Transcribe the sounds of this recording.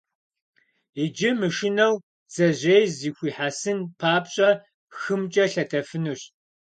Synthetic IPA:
id͡ʒɪmɨʃɪnɐw | z̥ɐʑejziːxʷiːħaːsɨnpʰaːpɕʼɐ | xɨmt͡ʃʼɐɬɐtʰɐfɨnuɕ

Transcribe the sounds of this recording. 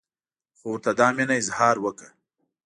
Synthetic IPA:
xowəɾt̪ad̪ɑːminaɪzhɑːɾwəka

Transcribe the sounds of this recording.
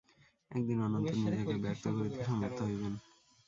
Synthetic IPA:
ɛ̰k̚d̪inɔnont̪oɾnid͡ʑakebɛɾt̪ʰokoɾit̪eʃɔmoɾt̪ʰːoɦojben

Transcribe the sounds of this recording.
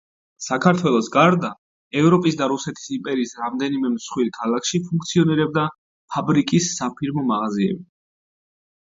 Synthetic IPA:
sakʰaɾt̪ʰwɛlˠɔsɡaɾd̪a | ɛvɾɔpʼisd̪aɾusɛt̪ʰi̥simpʼɛɾiːsɾamd̪ɛnimɛmsχwiɾkʰalˠakʰʃipʰũŋk̚ʰt̪sʰiɔniɾɛb̚d̪a | pʰabɾikʼisːapʰiɾmɔmaʁaziɛ̰bi

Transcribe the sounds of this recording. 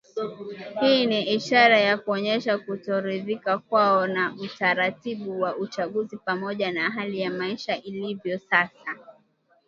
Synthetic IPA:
hiːniʔiʃaɾajakuɔɲɛʃakutɔɾiðikakwaɔnaʔutaɾatiɓuwaut͡ʃaɠuzipamɔʄanaɦalijamaiʃaʔilivjɔsasa

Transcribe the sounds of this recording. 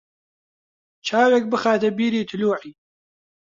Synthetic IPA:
t͡ʃʰaːwek̚bɨxaːt̪ɐbiːɾiːt̪ʰʊluːʕiː

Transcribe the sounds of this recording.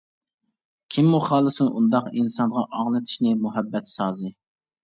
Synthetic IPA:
kʲʰimːuχɑːlˠɨsunʔund̪ɑqinsɑnʁɑʔɑʁnɨt̪ʰi̥ʃnɪmuɦɛbːɛt̪sɑːzɨ

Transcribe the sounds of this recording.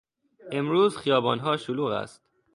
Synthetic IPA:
ʔe̞mɾuːzxijɒːbɒːnɦɒːʃoluːɣæ̰st̪

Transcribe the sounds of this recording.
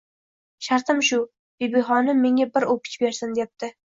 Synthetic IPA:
ʃaɾt̪ʰɪmʃʊ | bebɪɦɒnɪmːeŋʲabɪɾopʰɪ̥t͡ʃbe̞ɾsɪnd̪ep̚t̪ɪ

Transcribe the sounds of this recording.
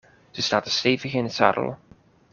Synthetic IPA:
z̥əstaːtəstejvəɣəɪnətsa̰ːɾə̰l̰ˠ

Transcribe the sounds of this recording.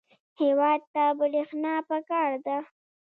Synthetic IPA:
hewɑd̪̚t̪abəɽixnɑpəkɑɾd̪a

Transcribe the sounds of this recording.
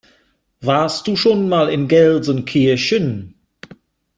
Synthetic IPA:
vaːstd̥uːʃoːnmaːlɪnɡɛlzənkʰiːəçən

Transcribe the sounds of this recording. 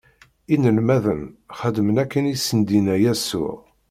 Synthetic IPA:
inəlmæðənχəd̪əmənækːənisənd̪inæjæsʊ̰ʁ

